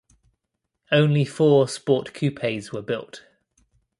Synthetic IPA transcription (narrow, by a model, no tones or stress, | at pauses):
ə̃ʊ̃nlifɔːspɔˑʔkʰj̥ʉːpʰeɪzwəbɪlˠt